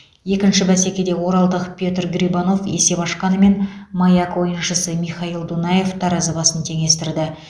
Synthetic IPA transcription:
je̞kʲɪnʃɪbæs̬e̞kʲe̞d̪e̞wo̞ɾɑlˠd̪əqpʲjo̞t̪rɡɾʲibɑno̞fe̞̰se̞bɑʃqɑnəme̞nmɑjɑkwo̞jənʃəsəmiχɑilˠd̪unɑje̞ft̪ʰɑɾɑzəbɑsənt̪ʰe̞ŋe̞st̪ɪɾd̪ɪ

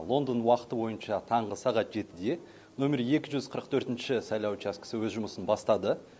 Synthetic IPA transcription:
lˠo̞nd̪ənwɑqə̥t̪əbo̞jənʃɑt̪ʰɑɴʁəsɑʁɑt̪ʒ̥e̞t̪ɪd̪e̞ | nomʲeɾje̞kʲɪʒʏzqʰəɾəqt̪ʰɵɾt̪ɪnʃɪsɑjlˠɑwt͡ʃɑskɪ̥səwɵzʒʊməsənbɑst̪ɑd̪ə

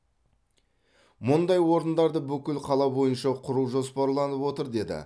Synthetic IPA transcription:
mʊnd̪ɑjwo̞ɾənd̪ɑɾd̪əbʏkʲɪlqʰɑlˠɑbo̞jənʃɑqʰʊɾuwʒo̞spɑɾlˠɑnəpwo̞t̪əɾd̪e̞d̪ɪ̰

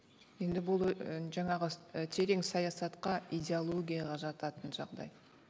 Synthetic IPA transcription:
je̞nd̪ɪbʊlˠʒɑɴɑʁət̪ʰe̞ɾe̞ŋsɑjɑsɑt̪qɑid̪ʲe̞olˠo̞ɡʲijɑʁɑʒɑt̪ɑt̪ənʒɑʁd̪ɑ̰j

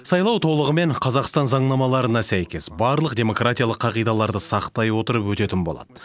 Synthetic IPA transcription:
sɑjlˠɑwt̪ʰo̞lˠəʁəme̞ɴqʰɑzɑqst̪ɑnzɑɴnɑmɑlˠɑɾənɑsæjkʲe̞sbɑɾlˠəq̚d̪e̞mo̞krat̪ʲijalˠəqʰːɑʁijd̪ɑlˠɑɾd̪əsɑqt̪ɑjwo̞t̪əɾəpwɵt̪e̞t̪ɪnbo̞lˠɑ̰d̪̥ə

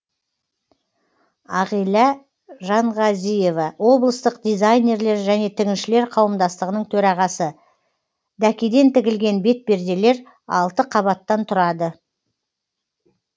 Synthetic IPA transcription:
ɑʁijlˠɑ | ʒɑɴʁɑzije̞vɑwo̞blˠəst̪əq̚d̪ijzajne̞ɾle̞ɾʒæne̞t̪ʰɪɡʲɪnʃɪle̞ɾqʰɑwəmd̪ɑst̪əʁənəɴt̪ʰɵɾɑʁɑsə | d̪ækʲed̪e̞nt̪ɪɡʲɪlɡʲe̞nbe̞t̪̚be̞ɾd̪e̞le̞ɾ | ɑ̰lˠt̪əqʰɑβɑt̪ːɑnt̪ʰʊɾɑd̪ə

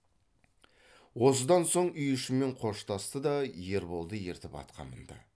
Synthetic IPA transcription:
wo̞səd̪ɑnso̞ɴʏjʏʃɪme̞ɴqʰo̞ʃt̪ɑst̪əd̪ɑje̞ɾbo̞lˠd̪əje̞ɾt̪ɪpɑ̰t̪qɑ̰nə̰nd̪ɑ̰

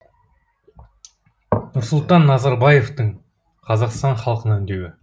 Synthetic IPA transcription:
nʊɾsʊlˠt̪ɑnːɑzɑɾbɑje̞ft̪əɴ | qʰɑzɑqst̪ɑɴχɑlˠqənɑʏnd̪e̞wɪ

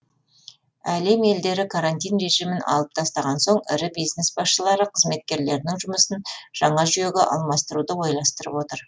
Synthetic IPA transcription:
æle̞me̞ld̪e̞ɾɪkʰaɾant̪ʲijnɾe̞ʒijmɪnɑ̰lˠəp̚t̪ʰɑst̪ɑʁɑnso̞ɴɪ̰ɾɪbijzne̞sbɑsʃəlˠɑɾəqʰəzme̞t̪̚kʲe̞ɾle̞ɾnɪŋʒʊməsənʒ̥ɑɴɑʒyje̞ɡʲeʔɑ̰lˠmɑst̪əɾud̪əwo̞jlˠɑst̪əɾəpwo̞t̪əɾ

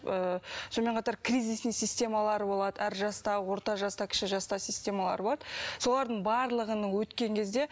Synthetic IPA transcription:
əso̞me̞ɴqʰɑt̪ɑɾkrʲijzisnijsisʲt̪ʲe̞mɑlˠɑɾəbo̞lˠɑd̪əæɾʒɑst̪ɑwo̞ɾt̪ɑʒɑst̪ɑkʲʰɪ̥ʃɪʒɑst̪ɑsisʲt̪ʲe̞mɑlˠɑ̰ɾəbo̞lˠɑd̪əso̞lˠɑɾd̪əɴbɑɾlˠəʁənəɴwɵt̪kʲe̞ŋkʲʰe̞zd̪e̞

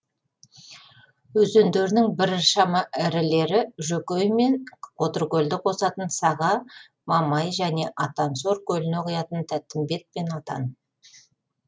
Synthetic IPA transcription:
ɵzend̪e̞ɾnɪŋbɪɾʃɑmɑʔɪɾɪle̞ɾɪʒɵkʲejme̞nqʰo̞t̪ərkʲɵld̪ɪqʰo̞sɑt̪ənsɑʁɑ | mɑmɑjʒæne̞ʔɑt̪ɑnso̞ɾkʲʰɵlɪne̞qʰujɑt̪ənt̪ʰæt̪ːɪmbe̞t̪̚pe̞nɑt̪ɑ̰n

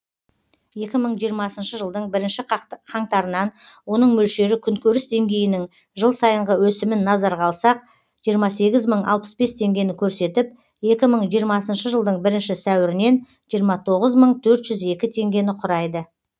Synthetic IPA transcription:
je̞kʲɪməɴʒijəɾmɑsənʃəʒəlˠd̪əɴbɪɾɪnʃɪqʰɑɴt̪ɑɾənɑnwo̞nəɴmɵlʃe̞ɾɪkʲʰʏŋkʲʰɵɾɪsd̪e̞ŋɡʲe̞jɪnɪŋ | ʒəlˠsɑjəɴʁəwɵsɪmɪnːɑzɑɾʁɑlˠsɑq̚ | ʒ̥ijəɾmɑse̞ɡʲɪzməɴʔɑ̰lˠpə̥sbe̞st̪ʰe̞ŋɡʲe̞nɪkʲʰɵɾse̞t̪ɪp̚ | je̞kʲɪməɴʒijəɾmɑsənʃəʒəlˠd̪əɴbɪɾɪnʃɪsæwɪɾɪne̞n | ʒijəɾmɑt̪ʰo̞ʁəzməɴt̪ʰɵɾt̪ʒ̥ʏze̞kʲɪt̪ʰe̞ŋɡʲe̞nɪqʰʊɾɑjd̪ə

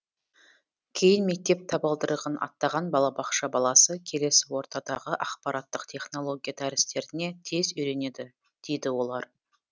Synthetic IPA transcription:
kʲʰe̞jɪnme̞k̚t̪e̞p̚t̪ʰɑbɑlˠd̪əɾəʁənʔɑ̰t̪ːɑʁɑnbɑlˠɑbɑqʃɑbɑlˠɑsəkʲʰe̞le̞sɪwo̞ɾt̪ɑd̪ɑʁəʔɑqpɑɾɑt̪ːəqt̪ʲʰe̞χno̞lˠo̞ɡʲijad̪æɾɪst̪e̞ɾɪne̞t̪ʰe̞zʏjɾe̞ne̞d̪ɪ | d̪̥e̞jd̪ɪwo̞lˠɑɾ

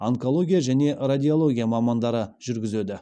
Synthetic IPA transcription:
aŋko̞lˠo̞ɡʲijaʒæne̞rad̪ʲio̞lˠo̞ɡʲijamɑmɑnd̪ɑɾəʒ̥ʏɾɡʲɪzed̪ɪ

